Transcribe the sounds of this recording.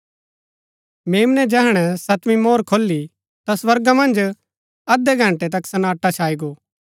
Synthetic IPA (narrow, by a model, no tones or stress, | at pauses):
meːmnɛd͡ʒɛɦɽ̃ɛsɐt̪ʋĩmoːɾkʰoːlːi | t̪aswɐɾɡamɐ̃nd͡ʒ | ɐd̪ɛɡʱɐ̃ɳʈɛt̪ɐksɐnaːʈːat͡ʃʰaːiɡoː